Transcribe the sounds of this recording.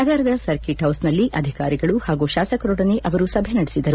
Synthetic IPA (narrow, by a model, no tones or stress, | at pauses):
ɐɡ̪aːɾɐd̪ɐsɐɾkiʈɦɐwsnɐlːiʔɐd̪ʱikaːɾiɡɐɭuhaːɡuʃaːsɐkɾoːɽɐneʔɐʋɐɾusɐbʱenɐɽisid̪ɐɾu